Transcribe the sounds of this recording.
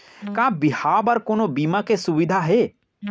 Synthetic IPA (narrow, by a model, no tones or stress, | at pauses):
kãːbɪɦaːbɐɾkoːnobiːmakesʊʋɪd̪ʱaɦe